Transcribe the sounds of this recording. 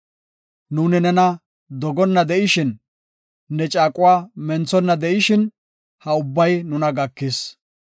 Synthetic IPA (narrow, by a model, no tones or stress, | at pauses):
nuːnɪnɛnɐ | d̪ɔɡɔnːɐd̪ɛʔɪʃɪn | nːɛt͡ʃʼaːkʼʊwaːmɛnt͡sːɔnːɐd̪ɛʔɪʃɪn | hɐʊbːɐjnʊnɐɡɐkːɪs